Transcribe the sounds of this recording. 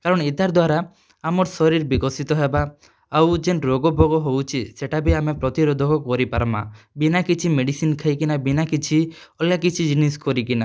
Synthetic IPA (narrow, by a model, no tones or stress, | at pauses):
kaɾɔɽ̃ɔit̪aɾd̪waɾa | amɔɾsɔɾiɾbiɡɔsit̪ɔɦebaː | wd͡ʒenɾoɡɔbʱɔɡɔɦowt͡ʃʰiseʈabiamepɾɔt̪iɾod̪ʱɔkɔkɔɾipaɾma̰binakit͡ʃʰimeɽisinkʰajkinabinakit͡ʃʰi | ɔlakit͡ʃʰid͡ʒiniskɔɾikina